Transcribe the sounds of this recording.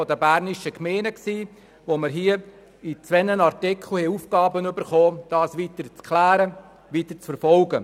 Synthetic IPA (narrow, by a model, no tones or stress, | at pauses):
fɔdəbæːɾniʃəkmeːnəksiː | ʋoməɾɦiə | it͡sʋɛnənɑɾtɪkʰl̩hɛuːfkɑːbənʏbəɾχoːd̥ɑːsʋiːtəɾt͡skʰlæːɾə | ʋiːt̪ət͡sfəɾfɔlɡə